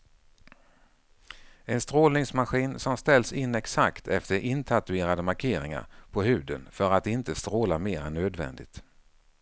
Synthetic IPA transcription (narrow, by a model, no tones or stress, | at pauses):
ɛnst̪ɾoːlnɪŋsmaɧiːnsɔmst̪ɛlsɪnːɛksakt̪ʰɛft̪əɾʔɪnt̪ʰat̪ɵeːɾad̪əmaɾkʰeːɾɪŋa̰ɾpʰɔɦʉ̟ːd̪ənfœɾat̪ɪnt̪əst̪ɾoːlameːɾanøːd̪vɛ̰nd̪ɪ̰t̪